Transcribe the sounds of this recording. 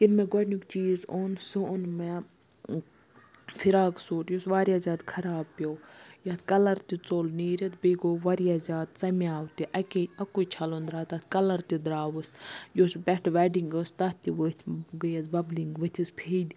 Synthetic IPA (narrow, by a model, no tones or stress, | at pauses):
kinmɛɡɔnukt͡ʃiːzonsunme | fʰiɾaːɡsuːʈjosʋaːɾjaːzʲaːd̪kʰɐɾaːbpjowjɐt̪ʰkɐlɐɾt̪it͡soːlniːɾɐt̪ʰbiɡoːʋɐɾijaːzʲaːd̪t͡sɐmiaːwt̪iʔɐkʲeɐkut͡ʃʰɐlond̪ɾaːt̪ɐt̪ʰkɐlɐɾt̪id̪ɾaːʋɨsjoːsbɛʈʋɐɖiŋɡɨst̪ɐt̪iʋɨt̪ʰɡɨjɐzbɐbliŋɡʋɨt̪ʲʰispʰeːdʲ